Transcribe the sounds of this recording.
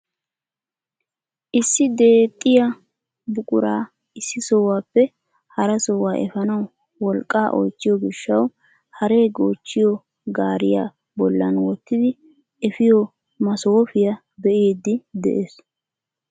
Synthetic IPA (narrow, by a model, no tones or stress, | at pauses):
ʔɪsːɪd̪e̞ːt̪ʼːɪjɐ | bʊkʼʊɾaː | ɪsːɪsɔwaːpːɛ | hɐɾɐsɔwaːʔɛ̰fɐnɐw | wɔlkʼːaːʔɔ̰jt͡ʃːɪjɔɡɪʃːɐw | hɐɾe̞ːɡoːt͡ʃːɪjɔ | ɡaːɾɪja̰ː | bɔlːɐnwɔt̪ːɪd̪ɪ | ɛfɪjɔ | mɐsoːfɪjɐ | bɛʔeːd̪ːɪd̪ɛ̰ʔeːs